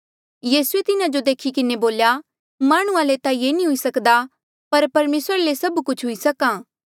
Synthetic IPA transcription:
jiːsuet̪ɪnad͡ʒod̪eːkʰikɪneboːlja | maːɽ̃ʊ̃ãlet̪ajenĩɦʊisɐkd̪a | pɐɾpɐɾmeːsɾalesɐbkʊt͡ʃʰɦʊisɐkaː

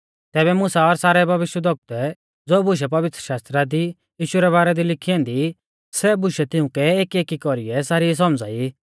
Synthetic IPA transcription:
t̪ɛːβɛmʊsaɔɾsaːɾɛbʱɐʋɪʃjəd̪ʱɔk̚t̪ɛ | d͡zoːbʊʃ̬ɛp̬ɐʋɪt̪ɾəʃaːst̪ɾad̪i | jiːʃʊɾɛβaːɾɛd̪ilɪkʰiɔ̃nd̪i | sɛbʊʃɛt̪ɪ̃ʊ̃kɛeːkieːkikɔɾiɛsaːɾis̬ɔmd͡zaːi

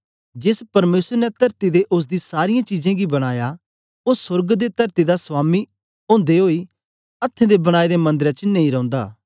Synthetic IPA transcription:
d͡ʒɪspɐɾmeːsəɾnɛt̪ɐɾt̪id̪eʔʊs̬d̪isaːɾɪjãt͡ʃiːzãɡibɐɽ̃aːja | osʊɾɡd̪et̪ɐɾt̪id̪aswaːmi | õːnd̪eɦoːi | ɐt̪ʰːẽd̪ebɐɽ̃aːid̪emɐ̃nd̪əɾɛ̃t͡ʃnɐĩɾɐ̃ʊ̃nd̪a̰ː

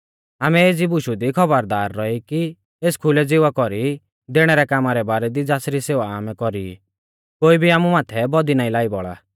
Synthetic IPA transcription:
aːmɛeːd͡zibʊʃud̪ikʰɔbəɾd̪aːɾːɔiki | eːskʰʊlɛd͡zɪʋakɔɾi | d̪eɽ̃ɛɾɛkaːmaɾɛbaːɾɛd̪id͡zaːsɾiseːʋaaːmɛkɔɾḭ | koːibʱiaːmumaːt̪ʰɛbɔd̪inaːĩlaːibɔɭa̰ː

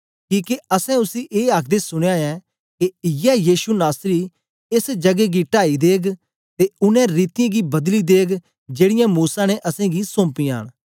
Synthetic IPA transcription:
kiːkeɐsɛ̃ʊsiʔeːaːkʰd̪esʊɽ̃ejaːɛ | kejɛːjiːʃunaːsɾi | ɪsd͡ʒɐɡeɡiʈaːid̪eːɡ | t̪eʊnɛ̃ɾiːt̪ɪjãːɡibɐd̪lid̪eːɡ | d͡ʒeːɽɪjãmuːsanɛʔɐsɛ̃ɡisõːmpijãːñ

